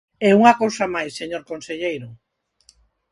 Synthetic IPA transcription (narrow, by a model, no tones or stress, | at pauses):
ɛuŋakowsamajsːeɲoɾkonseʎejɾʊ